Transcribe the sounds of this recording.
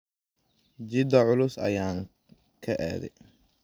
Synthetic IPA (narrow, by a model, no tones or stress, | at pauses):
d͡ʒɪd̪ɐʕʊlʊsɐ̰jaːŋ | kʰɐʔɛ̰ːðɛ̰j